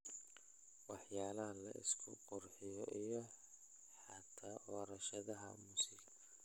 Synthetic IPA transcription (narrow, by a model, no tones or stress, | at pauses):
wɑħjaːlɐɦɐlɐ̰ʔɪ̰skʰʊ̰qɔrħɪjɔʔijɔ | ħɑt̪ʰaːʔɔːɾɐʃɐðɐɦɐ̰mʊsɪɣɐ